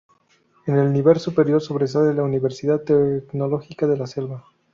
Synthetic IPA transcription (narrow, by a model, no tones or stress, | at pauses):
ene̞lniβe̞lsupe̞ɾjo̞ɾso̞βɾe̞s̬alelauniβe̞ɾsiðat̪ːekno̞lo̞xikaðe̞lase̞lβa